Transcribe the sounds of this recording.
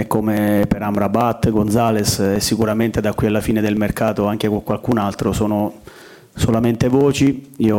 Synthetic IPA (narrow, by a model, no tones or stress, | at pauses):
ɛkːomepeɾambɾabat̪ːɡonzaːlesɛsːikuɾament̪ed̪akwialːafiːned̪elmerkaːt̪oaŋk̟ekokwalkunalt̪ɾosɔːno | solament̪evɔːt͡ʃiiːo